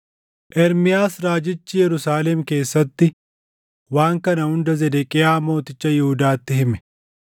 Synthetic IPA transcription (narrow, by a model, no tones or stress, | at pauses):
ʔɛɾmɪjaːsɾaːd͡ʒɪt͡ʃːɪjɛɾʊsaːlɛmke̞ːsːɐt̪ːɪ | waːŋkɐnɐhʊnd̪ɐzɛd̪ɛkʼɪjaːmo̞ːt̪ɪt͡ʃːɐjɪhʊd̪aːt̪ːɪhɪmɛ